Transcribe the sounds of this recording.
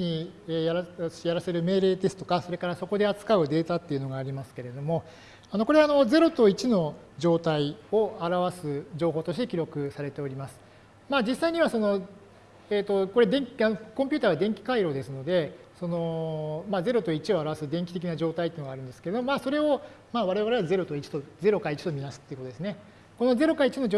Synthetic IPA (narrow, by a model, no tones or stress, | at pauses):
ɲiejaɾaɕjaɾase̞ɾɯ̟me̞ːɾe̞ːt̪e̞sɨ̥t̪okaso̞ɾe̞kaɾaso̞ko̞d̪e̞at͡sɨ̥kaɯ̟d̪e̞ːt̪at̪ːeiɯ̟no̞ɡaːɾʲimasɨ̥ke̞ɾe̞d̪o̞mo̞ | ano̞ko̞ɾeano̞d͡ze̞ɾo̞t̪o̞it͡ɕino̞ | d͡ʑo̞ːt̪aio̞aɾaβasɨd͡ʑo̞ːɦo̞ːt̪oɕi̥t̪e̞kʲiɾo̞kɯ̟saɾe̞t̪e̞o̞ɾʲimasɨ̥ | maːd͡ʑisːaiɲ̟iβaso̞no̞ | eːt̪ːo̞ko̞ɾe̞d̪ẽ̞ŋkʲianokompʲɨt̪aːβad̪ẽ̞ŋkʲi̥kaiɾo̞ːd̪e̞sɨno̞d̪e̞so̞no̞maːze̞ɾo̞t̪o̞it͡ɕio̞aɾaβasɨd̪ẽ̞ŋkʲi̥t̪ekʲinaʑo̞ːt̪ait̪eiːnoɡaːɾɯ̟̃nd̪e̞sɨ̥ke̞ɾed̪ommaːso̞ɾe̞o̞ | maːβaɾe̞βaɾe̞βaze̞ɾo̞t̪o̞it͡ɕi̥t̪oze̞ɾo̞kait͡ɕi̥t̪o̞mʲimasɨ̥t̪eɯkot̪od̪esɨne | kono̞ze̞ɾo̞kait͡ɕino̞